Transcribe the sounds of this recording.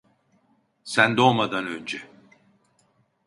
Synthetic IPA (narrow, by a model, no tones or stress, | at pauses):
sænd̪o̞lˠmad̪anø̞nd͡ʒɛ